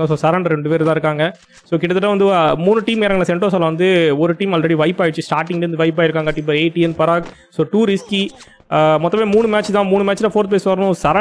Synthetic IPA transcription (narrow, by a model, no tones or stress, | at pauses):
ɐsoːsɐɾɐɳɖɾɛɳɖɯpeːɾt̪ãːɪɾɯkːaːŋɡɐ | soːkɪʈːɐt̪ːɯʈːãʋɐnd̪ɯmuːnɯʈiːmɛɾɐːɡɐnɐsɛɳʈoːsalɐ̃ʋɐnd̪ɯɔɾɯʈiːmɐlɾɛɽiʋɐɪpːaːɪʈt͡ʃːɯsʈaːɾʈɪ̃ŋɡeɾɯnd̪ɯʋɐɪp̬ːaːɪɾɯkːaːŋɡɐʈiːmpɐɾeɪʈiɛnpɐɾaːk | soːʈuːɾɪski | mɔt̪ːɐmeːmuːnɯmaːt͡ʃːɯt̪ãːmuːnɯmaːt͡ʃːɪlãːfoːɾt̪̚peːsʋɐɾɐnʊ̃sɐɾɐ